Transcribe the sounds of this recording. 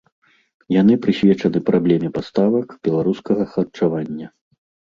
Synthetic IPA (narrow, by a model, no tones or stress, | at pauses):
janɨpɾɨsʲvʲɛt͡ʂɐnɨpɾʔablʲɛmʲɛpast̪avɐkb̥ʲɛlˠaɾuskɐɣɐxɐt͡ʂavanʲːɐ